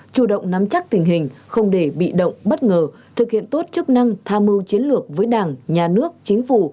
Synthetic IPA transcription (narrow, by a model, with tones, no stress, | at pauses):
t͡ɕu˧˩ɗə̰˧˨wŋ͡mna˨˦mt͡ɕa˦˥k̚t̪ï˨˩ŋ̟ɦï˨˩ŋ̟xə˧wŋ͡mɗe˧˩ɓḭ˧˨ɗə̰˧˨wŋ͡mɓə˦˥t̚ŋəː˨˩ | t̪ʰɨ˨˩k̚hḭ˧˨ənt̪o˦˥t̚t͡ɕɨ˦˥k̚na˧ŋt̪ʰaː˧mɨ˧wt͡ɕi˨˦ənlɨ˨˩ək̚vəː˨˦jɗaː˨˩ŋɲaː˨˩nɨ˦˥ək̚t͡ɕï˨˦ŋ̟fu˧˩